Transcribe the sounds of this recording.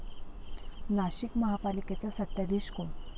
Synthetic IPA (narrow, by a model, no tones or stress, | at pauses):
naɕikməɦapaliket͡sasət̪jad̪eɕkom